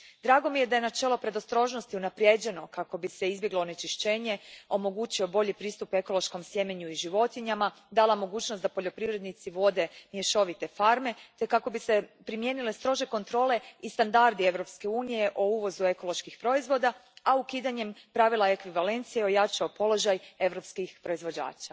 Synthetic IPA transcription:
d̪ɾaːɡo̞mije̞d̪aje̞nat͡ʃe̞lo̞pɾe̞d̪ost̪ɾo̞ʒno̞st̪iunapɾje̞d͡ʑe̞no̞kako̞bise̞izbje̞ɡloːne̞t͡ʃiʃt͡ɕe̞ːɲe̞o̞mo̞ɡuːt͡ɕio̞bo̞ʎipɾiːst̪upe̞ko̞lˠo̞ʃko̞msjemeɲuiʒiʋo̞t̪iɲama | d̪alˠamo̞ɡuːt͡ʃnost̪d̪apo̞ʎo̞pɾiʋɾe̞d̪nit̪siʋo̞d̪e̞mjeʃo̞ʋit̪e̞faɾme̞t̪ekako̞bise̞pɾimje̞ːnile̞st̪ɾo̞ʒe̞ko̞nt̪ɾo̞ːle̞ist̪and̪aɾd̪ie̞ʋɾo̞pske̞uːnije̞ʔouʋo̞zue̞ko̞lˠo̞ʃkixpɾo̞izʋo̞d̪aaukiːd̪aɲe̞mpɾaʋilˠaekʋiʋale̞nt̪sijeo̞jat͡ʃaopo̞lo̞ʒaje̞ʋɾo̞pskixpɾo̞izʋo̞d͡ʑa̰ːt͡ʃa

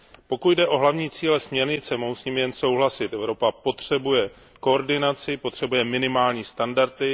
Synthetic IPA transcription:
po̞kut̪dɛʔo̞ɦlavɲiːt͡siːlɛsmɲɛɾɲɪt͡sɛmoɦwsɲiːmɪjɛnso̞wɦlasɪt̪ʔɛvɾo̞papo̞t̪r̝̥ɛbujɛ | ko̞ːɾdɪnat͡sɪpot̪r̝̥ɛbujɛmɪnɪmaːlɲiːst̪andaɾt̪ɪ

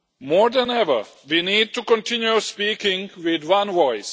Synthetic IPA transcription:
mɔːɹd̪ə̃nɛvə̰˞ | ʋiniːd̚tukɔ̃ntʰɪ̃njuspikɪ̃ŋwɪd̪wãnʋɔɪs

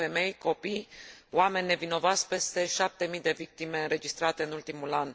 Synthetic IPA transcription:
e̞me̞jko̞pijwame̞nʲːe̞vino̞voat̪sʲpe̞st̪e̞ʃap̚t̪e̞mijd̪e̞vik̚t̪ime̞ɨnɾe̞d͡ʒist̪ɾat̪e̞ɨnult̪imulan

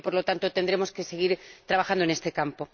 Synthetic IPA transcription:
po̞ɾlo̞t̪ant̪ot̪e̞nd̪ɾe̞mo̞ske̞se̞ɣiɾt̪ɾaβaxand̪onest̪e̞kampo̞

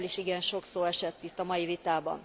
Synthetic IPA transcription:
liʃiɡɛnʃo̞ksoːɛʃɛt̪ːit̪ːɒmɒjivit̪aːbɒ̰n

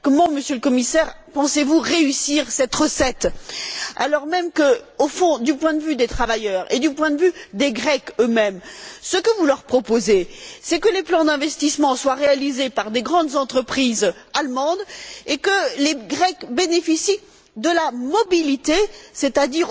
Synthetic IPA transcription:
kɔmɑ̃məsjøləkɔmisɛʁpɑ̃sevuʁeysiʁsɛt̪ʁəsɛt̪ | a̰lɔʁmɛmkəofɔ̃d̪ypwɛ̃d̪əvyd̪et̪χavajœʁed̪ypwɛ̃d̪əvyd̪eɡʁɛkømɛmsəkəvulœʁpχɔpozesɛkəleplɑ̃d̪ɛ̃vɛst̪ismɑ̃swaʁealizepaʁd̪eɡʁɑ̃d̪zɑ̃t̪χəpχizalmɑ̃d̪ekəleɡʁɛkbenefisi | d̪əlamɔbilit̪eset̪ad̪iʁ

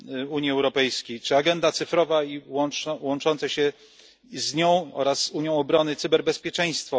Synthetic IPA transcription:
uɲiɛwɾɔpɛjskʲejt͡ʂɘaɡɛnd̪at̪sɘfɾɔvaiwɔnwɔnt͡ʂɔnt̪sɛɕɛ | zɲɔ̃w̃ɔ̰ɾasːuɲjɔ̃w̃ɔbɾɔnɘt̪sɘbɛɾbɛspʲjɛt͡ʂɛj̃st̪fɔ

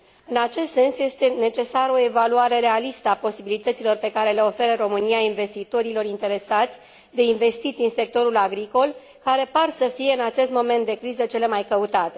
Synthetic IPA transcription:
ɨnat͡ʃe̞st̪se̞nsje̞st̪e̞ne̞t͡ʃe̞saɾəo̞e̞valuaɾe̞ɾe̞alist̪əapo̞sibilit̪ət̪ilo̞rpe̞kaɾe̞le̞o̞fe̞ɾəro̞mɨniainve̞st̪it̪o̞ɾilo̞ɾint̪e̞ɾe̞sat̪sʲ | d̪e̞inve̞st̪it̪siɨnse̞k̚t̪o̞ɾulaɡɾiko̞l | kaɾe̞parsəfije̞ɨnat͡ʃe̞st̪mo̞me̞nt̪̚d̪e̞kɾizət͡ʃe̞le̞majkəut̪at̪e̞

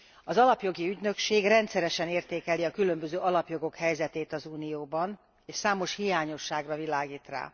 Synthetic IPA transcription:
ɒzɒlɒpjo̞ɡiyɟnø̞kʃeːɡrɛnt̪sɛɾɛʃɛneːrt̪eːkɛliɒkylø̞mbøzøːɒlɒpjo̞ɡo̞khɛjzɛt̪eːt̪ɒzuːnijoːbɒn | eːʃsaːmo̞ʃhijaːɲo̞ʃːaːɡrɒvilaːɡiːt̪ra̰ː

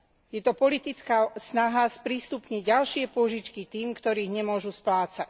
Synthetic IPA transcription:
jɛt̪ɔpɔlit̪it͡skasnaɦaspɾiːst̪upɲiɟɟalʃɪɛpʊɔʒit͡ʃkit̪iːmkt̪ɔɾiːɣɲɛmʊɔʒusplaːt͡sac

